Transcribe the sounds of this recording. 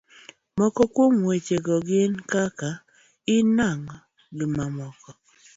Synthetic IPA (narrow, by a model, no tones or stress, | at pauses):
mɔkɔkwomwet͡ʃeɡɔɡɪnkaka | ɪnaŋɔ | ɡɪmamɔkɔ